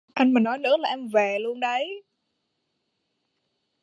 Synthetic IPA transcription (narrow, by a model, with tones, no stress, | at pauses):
ʔa˧jŋmaː˨˩nɔ˨˦jnɨ̰˧˥əlaː˨˩ʔɛ˧mve˨˩lu˧ənɗə˨˦j